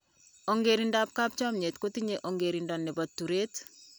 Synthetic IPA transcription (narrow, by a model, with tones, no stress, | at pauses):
o˨ŋɡeɾindap̚ka˦p̚t͡ʃɔ˦mɲe˨tko˦tiɲeʔo˨ŋɡeɾindɔnːɛ˨batːu˨ɾe˦t